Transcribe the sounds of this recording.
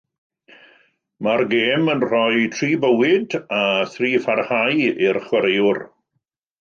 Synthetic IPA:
marɡeːmənr̥ɔjtʰriːbəwɪdaθriːfarhajɪrχwəɾejʊr

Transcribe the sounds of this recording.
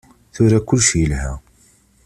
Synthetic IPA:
θʊɾækːʊlʃəlhæ̰

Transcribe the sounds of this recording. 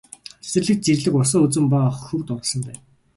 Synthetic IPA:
sɘ̆rɮɘ̆k̚t͡sirɮɘ̆kʊs̬ɔːɵt͡sɘ̆mpaχxɵwt̪ʊɾɞ̆sɞ̆mpæːn

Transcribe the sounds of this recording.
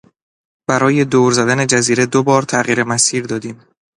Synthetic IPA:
b̥æɾɒːje̞d̪oːɾzæd̪æne̞d͡ʒæziːɾed̪obɒːɾt̪ʰæɣiːɾe̞mæsiːɾd̪ɒːd̪iːm

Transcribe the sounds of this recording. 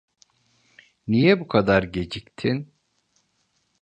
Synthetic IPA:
nijɛbukʰad̪aɾɟe̞d͡ʒict̪ʰin

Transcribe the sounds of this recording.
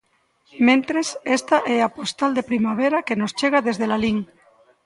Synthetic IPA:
mẽnt̪ɾesest̪aʔeapost̪ald̪epɾimaβ̞eɾakenost͡ʃeɣ̞aðezðelaliŋ

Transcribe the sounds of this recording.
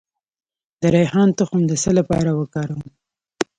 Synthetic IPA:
d̪əɾajɦɑnt̪əxʊmd̪əsəlapɑ̰ɾawəkɑɾawm

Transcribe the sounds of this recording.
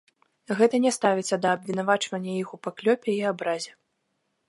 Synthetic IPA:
ɣɛt̪ɐnʲɛst̪avʲɛsʲɐd̪ɐːbvʲin̪avat͡ʂvɐnʲːɐjixupaklʲɔpʲɛiabɾazʲɛ

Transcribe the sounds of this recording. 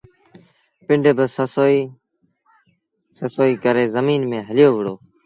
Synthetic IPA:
pɪɳɖebəsəsoːiː | səsoːiːkəɾeːzəmiːnmẽːɦəlɪjoːʋɪɽoː

